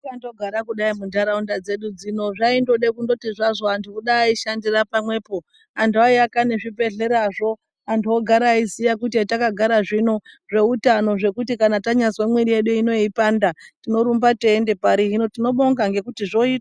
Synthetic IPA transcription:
kandoɡʱaɾakuɗaimundaɾaundad͡ze̞ɗud͡zino̞ʐaindo̞ɗekundo̞tiʐaʐo̞antuuɗaːiʃandirapamwe̞ːpo̞ | antʰuaiakaneʐibe̞ɮe̞ɾaʐo̞ | antuoɡʱaɾaisijak̬ut̬iatakaɡʱaɾaʐino̞ʐe̞utano̞ʐe̞kutikanataɲaswemwiɾije̞ɗuino̞ipandatino̞ɾumbateːnde̞paɾiɦino̞tino̞ɓo̞ŋɡaŋɡe̞kutiʐo̞ita

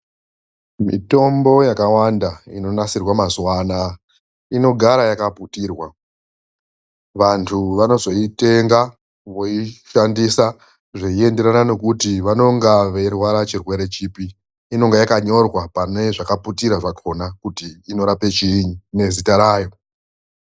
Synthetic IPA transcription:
mḭto̞mbo̞jakawandaino̞nasirwamaswaːna | ino̞ɡʱaɾajakaputiːrwa | ʋantʰuʋano̞zo̞ite̞ŋɡa | ʋo̞iʃandisa | ʐeie̞nde̞ɾanano̞kutiʋano̞ŋɡaʋe̞rwaɾat͡ʃirwe̞ɾe̞t͡ʃipiː | no̞ŋɡejakaɲo̞rwapane̞ʐakaputiɾaʐakʰonakutiːno̞ɾape̞t͡ʃiɲune̞zitaɾaːjo̞

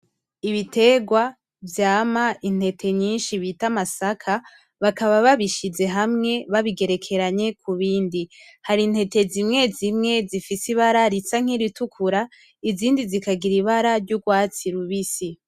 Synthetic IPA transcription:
iβite̞ːɡwa | vjaːmaʔin̥he̞tʰe̞ɲiːnʃiβitamasakʰa | βakaβaβaβiʃize̞ɦamŋe̞βaβiɡe̞ɾe̞kʰe̞ɾaɲe̞kʰuβiːndi | haɾin̥he̞te̞zimŋe̞zimŋe̞zifisiβaɾaɾit͡saŋ̥iɾitukʰuɾa | iziːndizikaɡiɾiβaɾaɾɟuɡwaːt͡siɾuβisi

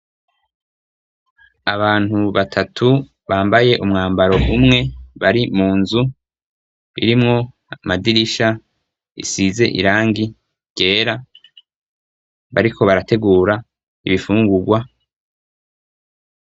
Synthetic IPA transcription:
aβaːn̥huβatʰatʰu | βaːmbaje̞ʔumŋaːmbaɾo̞ʔumŋe̞βaɾimuːnzu | ḭɾimŋo̞ | madiɾiʃa | ḭsize̞ʔḭɾaːŋɡi | ɟ̥e̞ːɾa | βaɾikʰo̞βaɾate̞ɡuːɾa | iβifuːŋɡuɡwa

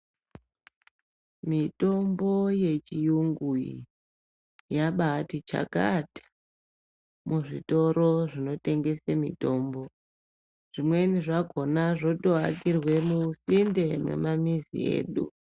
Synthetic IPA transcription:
mito̞mbo̞je̞t͡ʃijuŋɡuḭ | jaɓatit͡ʃa̰katʰḁ | muʐito̞ɾo̞ʐino̞te̞ŋɡe̞semḭto̞ːmbo̞ | ʐ̥imwe̞niʐaɡʱo̞naʐo̞toakirwe̞musinde̞mnḛmamizḭḛːɗṵ

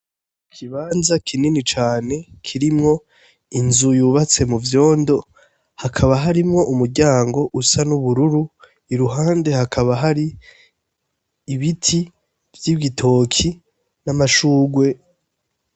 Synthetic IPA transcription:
kʰiβaːnzakʰininit͡ʃaːne̞kʰiɾimŋo̞ | inzujuːβat͡se̞muvjo̞ːndo̞ | hakʰaβaɦaɾimŋo̞ʔumuɾɟaːŋɡo̞ʔusanuβuɾuɾu | iɾuɦaːnde̞hakʰaβaɦaɾi | βitʰi | vjiβɡitʰo̞kʰi | namaʃuːɡwe̞

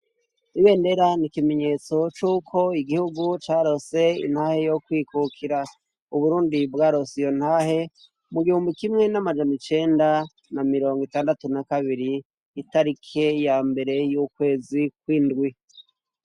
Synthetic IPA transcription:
iβe̞ːnde̞ɾanikime̞ɲe̞t͡so̞t͡ʃuːkʰo̞iɡihuɡut͡ʃaːɾo̞se̞ḭn̥haːhe̞jo̞kwiːkʰukʰiɾa | uβuɾuːndibɡaːɾo̞sijo̞n̥haːhe̞ | muɡihuːmbikimŋe̞namad͡ʒanit͡ʃe̞ːnda | namiɾo̞ːŋɡitaːndatunakaβiɾiː | taɾikʰe̞jambe̞ɾe̞juːkwe̞ːzikwiːndɡwi

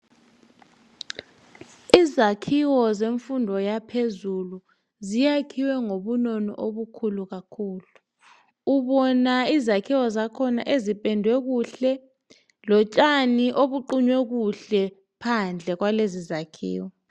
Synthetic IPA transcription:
izakʰiwɔzeɱfundʱɔjapʰezulu | zijakʰiwɛŋoɓunɔnɔ̰ʔoɓukʰuluɣ̬akʰuːluː | ɓɔnaizakʰiwɔzakʰɔna̰ʔezipʼɛndʱwɛk̬uɬɛ | lɔt͡ʃʼaniʔoɓuǃuɲwɛk̬uɬɛ | pʰand͡ɮʱɛk̬walezizakʰḭːwɔ

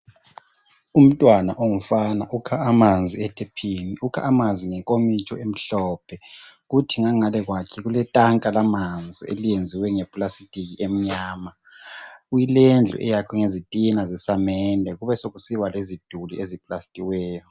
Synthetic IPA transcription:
um̩tʼwana̰ʔoŋufanaʔukʰaːmand͡zʱiɛtʰepʰiniukʰa̰ːmanzʱiŋɛkʼomit͡ʃʼɔem̩ɬɔːpʰɛɣutʰiŋaŋalɛɣwakʰiɣulɛtʼaŋkʼalamand͡zʱḭḛlijend͡zʱiwɛŋɛpʼlasitʼikiem̩ɲaːma | ɣujilend͡ɮʱṵʔɛjakʰɔŋezitʼinazɛsamɛndʱɛɣuβɛsoɣusiwalezid̥ʱuliʔezipʼlastʼiwɛːjɔ

